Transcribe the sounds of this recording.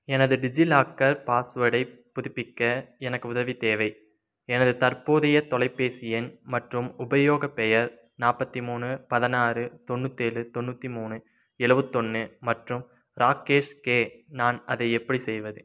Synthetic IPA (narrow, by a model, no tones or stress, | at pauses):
ɛnɐðɯɖɪd͡ʒilaːkːɐɾpaːsʋɐɽɐɪpːʊðɪpːɪkːɐɛnɐkːɯʊðɐʋit̪eːʋɐɪ | ɛnɐðɯt̪ɐɾpoːðɐjɐt̪ɔlɐɪpːeːsɪjɐnmɐʈrɯmʊbɐjoːɣɐpɛjɐɾ | naːpɐt̪ːimuːnɯpɐðɐnaːrɯt̪ɔnːɯt̪ːeːlɯt̪ɔnːɯt̪ːimuːnɯ | ɛɭɯʋɯt̪ːɔnːɯmɐʈrɯm | ɾaːkeːʂkeːnaːnɐðɐɪɛpːɐɽisɛjʋɐðɯ